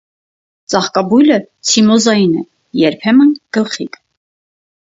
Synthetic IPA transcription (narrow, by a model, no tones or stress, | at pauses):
t͡sʼɑχkɑbujlə | t͡sʰimɔzɑjinɛ | jɛɾpʰɛmənɡ̥əlχik